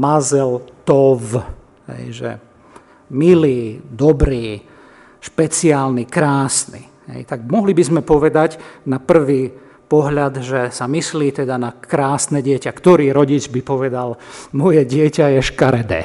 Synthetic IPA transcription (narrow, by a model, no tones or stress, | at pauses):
mazɛlt̪ɔʋ | ɦɛ̰jʒɛ̰ | miliːd̪ɔbɾiː | ʃpɛt͡siaːlnikɾaːsnḭ | ɦɛ̰jt̪aɡ̚mɔɦlibizmɛpɔʋɛd̪aɟnapr̩ʋiː | pɔɦʎad̪ʒɛsamisliːt̪ɛd̪anakɾaːsnɛɟɪɛcakt̪ɔɾiːɾɔɟit͡ʃbipɔʋɛd̪almɔjɛɟɪɛcajɛʃkaɾɛd̪ɛ̰ː